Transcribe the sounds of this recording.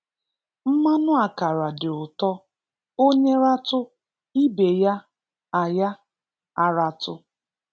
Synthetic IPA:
m̩˦ma˦nʊ˦a˨ka˨ɾa˨dɪ˨ʊ˨tɔ˦ | o˦ɲe˦ɾa˦tʊ˦ | i˦be˨ja˦ | a˨ja˦ | a˨ɾa˦tʊ˦

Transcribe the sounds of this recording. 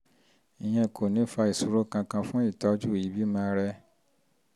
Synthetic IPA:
i˨j̃ɛ̃˧˨kʰo˨nĩ˨˦fa˧i˨su˨˦ɾo˦kã˧kã˧fũ˦i˦˨ta˧˦d͡ʒu˦˨ji˨˦bi˦mãː˧˦ɾɛ˧

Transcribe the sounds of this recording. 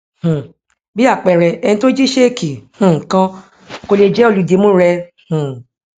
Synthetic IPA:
hũ˨ | bi˦a˦˨k͡pɛ˨ɾɛ˨ɛ˧nĩ˧to˦d͡ʒi˦ʃe˦ki˨hũ˧˨kã˦ | ko˧le˧d͡ʒɛ˦o˦˨lu˨˦de˨˦mũ˦ɾɛ˧ | hũ˨

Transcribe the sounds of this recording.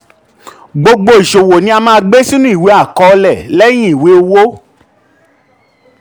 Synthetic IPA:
ɡ͡bo˧ɡ͡bo˧i˨ʃo˨wo˨nĩ˧˦a˧mãː˦˧˦ɡ͡be˦si˦nũ˦i˦˨we˨˦a˦˨kɔ˧lɛ˦˨lɛ˦j̃ĩ˦i˨we˨˦o˧wo˦

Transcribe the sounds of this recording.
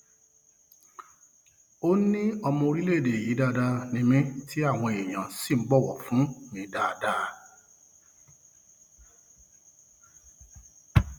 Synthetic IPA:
o˦nĩ˦ɔ˧mɔ̃˧o˧ɾi˦le˦˨de˨ji˨˦da˦˧da˧nĩ˧mĩ˦ti˦a˦˨w̃ɔ̃˧e˨ɲ̃ã˨si˦˨m̩˨˦ɡ͡bɔ˦˨wɔ̰˨fũ˨˦mĩ˧˦da˧da˦˧

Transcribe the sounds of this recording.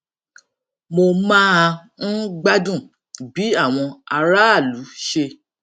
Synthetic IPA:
mo˧mã˦a˧ñ̩˦ɡ͡ba˦dũ˦˨ | bi˨˦a˦˨w̃ɔ̃˧a˧ɾa˦a˦˨lu˨˦ʃe˧

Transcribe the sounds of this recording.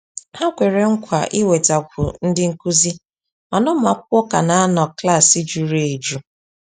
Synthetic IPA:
ha˦kʷe˨ɾe˨ŋ̩˦kʷa˨ʔi˦we˨ta˨kʷʊ̰˨n̩˦dɪ˦ŋ̩˦ku˦zi˦ | ma˨nɔ˦m̩˦a˨k̚ʷɔ˦ka˨na˨˦a˦nɔ˨kla˦˨si˦d͡ʒu˨ɾe˦e˨d͡ʒu˦

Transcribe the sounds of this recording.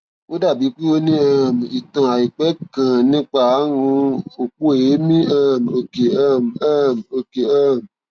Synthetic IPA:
wo˦da˦˨bi˨˦k͡pi˦o˧nĩ˦a˦˨m˨i˨tɔ̃˨a˨i˨k͡pɛ˨˦kã˨nĩ˦k͡pa˦˨a˦wũ˧˦o˨k͡pu˦e˨je˨˦mĩ˦a˦˨m˨o˧˨ke˨a˦˨m˨a˦˨m˨o˧ke˨a˦˨m˨

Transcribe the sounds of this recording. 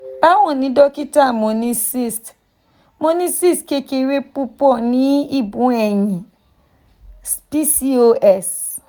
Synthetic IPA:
ba˦wɔ̃˦˨nĩ˨˦dɔ˦ki˦ta˦˨mo˨nĩ˦si˦˨st | mo˦nĩ˦si˦˨ske˦ke˧˦ɾe˦pu˦pɔ˦˨nĩ˨˦i˦˨bũ˨˦ɛ˨jĩ˨ | spi˦si˦o˧ʔɛ˦˨s

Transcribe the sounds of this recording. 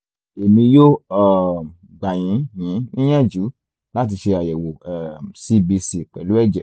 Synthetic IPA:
e˨mĩ˧jo˦a˦˨ | ɡ͡ba˨j̃ĩ˨˦jĩ˨˦nĩ˦j̃ɛ̃˦d͡ʒu˨˦ | la˦t̬i˧ʃe˧a˨jɛ˨wo˨ɛ˨si˧bi˧si˧k͡pɛ˨lu˨˦ɛ˦˨d͡ʒɛ˨

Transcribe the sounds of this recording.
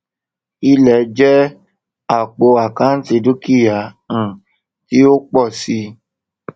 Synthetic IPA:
i˧lɛ˨d͡ʒɛ˦ | a˨k͡po˧a˨kã˨˦n̩˦ti˧du˦ki˦˨jã˨ | ti˦o˦k͡pɔ˦˨si˧

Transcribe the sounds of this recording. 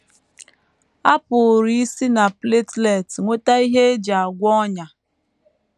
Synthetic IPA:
a˦pʊ˨ɾi˦i˦si˦na˨ple˦tle˦˨tŋʷo˦ta˦i˦ɦe˦d͡ʒa˨a˨ɡʷɔ˦ɲa˨

